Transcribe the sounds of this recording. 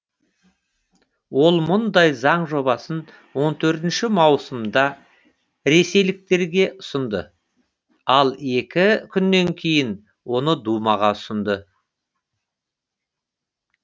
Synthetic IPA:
wo̞lˠmʊnd̪ɑjzɑɴʒo̞bɑsən | wo̞nt̪ʰɵɾt̪ɪnʃɪmɑwsəmd̪ɑ | ɾe̞se̞jlɪk̚t̪e̞ɾɡʲe̞ʔʊsənd̪ə̰ | ɑlˠe̞kʲɪkʲʰʏnːe̞ŋkʲʰe̞jɪn | wo̞nəd̪umɑʁɑʊsənd̪ə

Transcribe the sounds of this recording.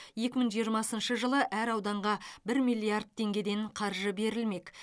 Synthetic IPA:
je̞kʲɪməɴʒijəɾmɑsənʃəʒəlˠəʔæɾɑwd̪ɑɴʁɑbɪɾmijlʲˠiard̪̚t̪ʰe̞ŋɡʲe̞d̪e̞ɴqʰɑɾʒəbe̞ɾɪlme̞k

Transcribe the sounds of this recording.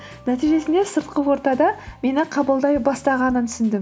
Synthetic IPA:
næt̪ijʒe̞sɪnd̪e̞səɾt̪̚qəwo̞ɾt̪ɑd̪ɑme̞nɪqʰɑbəlˠd̪ɑjbɑst̪ɑʁɑnənt̪ʰʏ̥sɪnd̪ɪm

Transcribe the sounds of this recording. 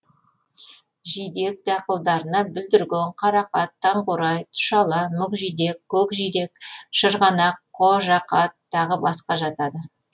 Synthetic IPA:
ʒijd̪e̞k̚d̪ɑqəlˠd̪ɑɾənɑbʏld̪ɪɾɡʲeɴqʰɑɾɑqɑt̪ʰːɑɴqoɾɑjt̪ʰʊ̥ʃɑlˠɑmʏkʒijd̪e̞kkʰːɵkʒijd̪e̞k̚ʃəɾʁɑnɑqʰːoʒɑqɑt̪ʰːɑʁəbɑsqɑʒɑt̪ɑd̪ə

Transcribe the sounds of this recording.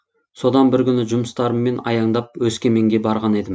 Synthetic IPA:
so̞d̪ɑnbɪɾkʲʏnɪʒʊməst̪ɑɾəmːe̞nɑ̰jɑɴd̪ɑp̚wɵskʲe̞me̞ŋɡʲe̞bɑɾʁɑne̞d̪ɪm

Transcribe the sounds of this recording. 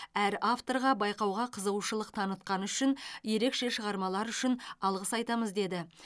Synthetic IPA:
æɾaft̪o̞ɾʁɑbɑjqɑwʁɑqʰəzəwʃəlˠəq̚t̪ʰɑnət̪̚qɑnʏʃɪnje̞ɾe̞kʃe̞ʃəʁɑɾmɑlˠɑɾʏʃɪnɑlˠʁəsɑjt̪ɑməzd̪e̞d̪ɪ

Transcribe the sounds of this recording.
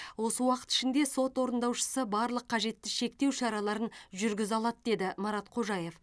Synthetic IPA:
wo̞səwɑqə̥t̪ɪ̥ʃɪnd̪e̞so̞t̪wo̞ɾənd̪ɑwʃə̥səbɑɾlˠəqʰːɑʒe̞t̪ːɪʃe̞k̚t̪e̞wʃɑɾɑlˠɑɾənʒʏɾɡʲɪzɑlˠɑt̪̚d̪e̞d̪ɪmɑɾɑt̪qʰo̞ʒɑje̞f

